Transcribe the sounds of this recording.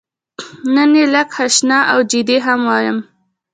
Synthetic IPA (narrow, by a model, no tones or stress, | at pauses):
nənelakhaʃnɑʔawd͡ʒid̪eɦamwɑjəm